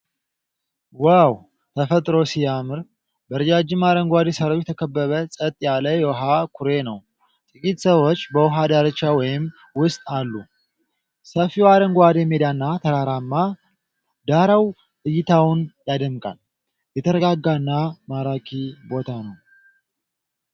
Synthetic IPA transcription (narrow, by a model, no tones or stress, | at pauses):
waw | t̪ʰəfət̪ʼɾo̞sijamɨɾ | bəɾɨd͡ʒad͡ʒɪmːaɾəŋɡʷad̪esəɾowjɛt̪ʰəkʰəbːəβəsʼət̪ʼːjaləjɛwɦakʰʊɾe̞nəw | t̪ʼɨkʼit̪səwot͡ʃːbəwʊɦad̪aɾət͡ʃːawɔjɪm | wʊst̪ʼalːu | səfiwaɾəŋɡʷad̪jɛmed̪anːat̪ʰəɾaɾamːa | d̪aɾaw | ɨjɪt̪ʰawnjad̪əmkʼa̰l | jɛt̪ʰəɾəɡaɡːanːamaɾakʰibo̞t̪ʰanəw